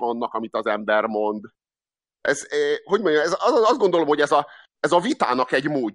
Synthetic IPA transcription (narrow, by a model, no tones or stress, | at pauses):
ɒnːɒkɒmit̪ɒzɛmbɛrmo̞nd̪ | ɛzɛho̞ɟmoɲmɛzɒzoɒzd̪ɡo̞nd̪olomhoɟɛzɒ | ɛzɒvit̪a̰ːnɒkɛɟmoː